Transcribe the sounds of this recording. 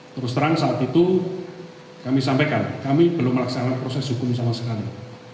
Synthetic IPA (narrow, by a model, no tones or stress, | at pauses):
t̪əɾʊst̪əɾaŋsaːt̪it̪u | kamisampekankamib̥əlʊmːəlaksanakanpɾosɛsɦukʊmsamasəkami